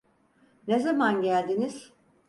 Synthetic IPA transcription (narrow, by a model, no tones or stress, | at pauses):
nezamanɟælʲd̪iniz̥